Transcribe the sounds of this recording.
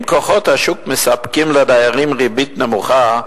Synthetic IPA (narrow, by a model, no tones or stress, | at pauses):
mkoχot̪haʃukmesapkimlad̪ajaʁimʁibit̪nemuχa